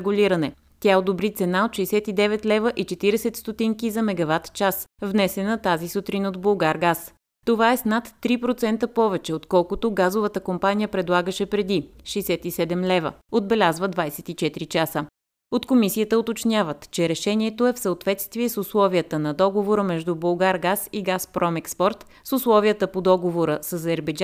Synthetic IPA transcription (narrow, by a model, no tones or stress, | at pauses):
ɡulʲiɾənɛ | t̪ʲaɛod̪obɾit̪sɛnaot̪ʃɛisɛt̪id̪ɛvɛt̪lɛvəʔit͡ʃɛt̪iɾɛsɛt̪st̪ot̪iŋkizɐmɛɡɐvat̪t͡ʃasvnɛsɛnət̪azisut̪ɾinod̪bolˠɡaɾɡas | t̪ovaɛsnat̪ːɾipɾot̪sɛnt̪əpɔvɛt͡ʃɛot̪kɔlˠkʊt̪oɡazovət̪əkompanijəpɾɛd̪lˠaɡəʃɛpɾɛd̪iʃɛjsɛt̪isɛd̪ɛmlɛvə̰od̪bɛlʲazvəd̪vajsɛ̥t̪it͡ʃɛt̪iɾit͡ʃasə | ot̪komisiət̪əot̪ot͡ʃnʲavət̪t͡ʃɛɾɛʃɛniɛt̪oɛfsəot̪vɛt̪st̪viɛsuslˠɔvijət̪ənɐd̪ɔɡovoɾəmɛʒd̪ubolˠɡaɾɡasiɡaspɾɔmɛkspɔɾt̪ | suslˠɔviət̪əpod̪ɔɡovoɾəsəzɛɾbɛd͡ʒ